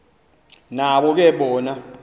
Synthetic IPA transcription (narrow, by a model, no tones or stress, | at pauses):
naɓɔk̬ɛɓɔːna